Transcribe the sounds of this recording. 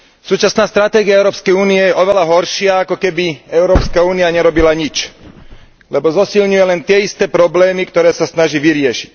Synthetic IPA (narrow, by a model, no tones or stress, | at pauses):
suːt͡ʃasnaːst̪ɾat̪ɛːɡiaɛʊɾɔːpskɛjuːniɛjɛʔɔʋɛlaɦɔɾʃɪaakɔkɛbiɛʊɾɔːpskauːniaɲɛɾɔbilaɲit͡ʃ | lɛbɔzɔsilɲujɛlɛnt̪ɪɛist̪ɛːpɾɔblɛːmikt̪ɔɾɛːsasnaʒiːʋiɾɪɛʃi̥c